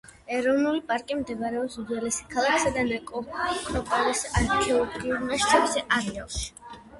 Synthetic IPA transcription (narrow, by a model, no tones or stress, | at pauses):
ɛɾɔvnulipʼaɾkʼimd̪ɛbaɾɛɔbsuzɛlɛsi̥kʰalˠakʰsad̪anɛkʼɔkʰɾɔpʼɔlɛsaɾkʰɛɔlˠɔɡiuɾmaʃt͡ʃ̪ʰɛbsɛʔaɾiɔʃ